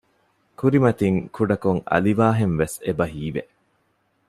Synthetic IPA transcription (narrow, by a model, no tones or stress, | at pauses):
kuɾimɐt̪iŋkʰuɖɐkuŋɐ̰liʋaːɦenʋesebɐɦiːʋe